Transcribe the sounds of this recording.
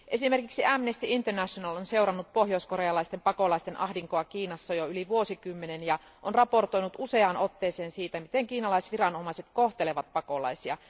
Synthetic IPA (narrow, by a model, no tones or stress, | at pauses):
ʔe̞simerkiksiæmnest̪iint̪ørnæʃonɑlonseurɑnːut̪̚poɦjo̞iskoɾejɑlɑist̪empɑko̞lɑist̪e̞nʔɑ̰ɦdiŋkoɑkiːnɑsːɑjoyliʋuosikymːenenjɑ | ʔonrɑpo̞rt̪o̞jnut̪use̞ɑːno̞t̪ːeːseːnsiːt̪æmit̪eŋkiːnɑlɑisʋirɑnomɑiset̪koht̪eleʋɑt̪̚pɑko̞lɑ̰jsiɑ